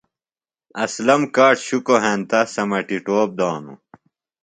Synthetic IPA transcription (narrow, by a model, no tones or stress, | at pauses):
ɐslɐmkaːʈɕukoɦeːnt̪ɐsɐmɐʈiʈoːp̚d̪aːnṵ